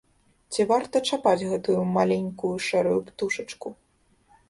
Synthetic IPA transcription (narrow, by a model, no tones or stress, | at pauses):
t͡sʲivart̪ɐt͡ʂapad͡zʲɣɛt̪ujumalʲenʲkujuʂɛɾujupt̪uʂɐt͡ʂku